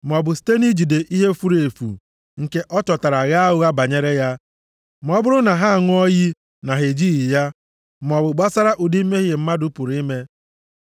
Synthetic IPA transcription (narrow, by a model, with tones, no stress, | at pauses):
m̩˨ɔ˨bʊ˨si̥˨te˦ni˦d͡ʒi˨de˨ʔi˦ɦe˦fu˦ɾe˨fṵ˨ | ŋ̩˨ke˦ʔɔ˦t͡ʃɔ˨ta˨ɾa˨ɣa˦ɦʊ˦ɣa˦ba˨ɲe˦ɾe˦ja˦ | m˨˦ɔ˦bʊ˦ɾʊ˦na˨ɦa˦a˨ŋʊ˦ɔ˦ɣi˦ | na˨ɦe˨d͡ʒi˦ɣi˨ja˦ | m˨ɔ˨bʊ˨ɡ͡ba˦sa˦ɾa˦ʔu˨di˦m̩˦me˦ɣe˨m̩˦ma˦dʊ˦pʊ˨ɾi˦me˦